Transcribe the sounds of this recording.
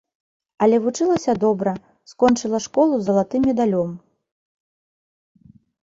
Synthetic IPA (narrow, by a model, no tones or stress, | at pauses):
ɐlʲɛvut͡ʂɨlˠɐsʲɐd̪ɔbɾɐ | skɔnt͡ʂɨlˠɐʂkɔlˠuzɐlˠat̪ɨmʲɛd̪alʲɔm